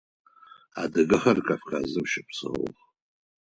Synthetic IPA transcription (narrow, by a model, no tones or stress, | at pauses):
adɨɡɨχarkʼafkʰazɨmʃɪpʰsɨ̰χ